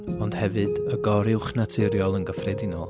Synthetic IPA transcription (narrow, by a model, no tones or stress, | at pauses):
ɔnd̥hɛvɨdəɡɔɾɪwχnatʰɪɾjɔlˠənɡəfrɛdɪnɔ̰lˠ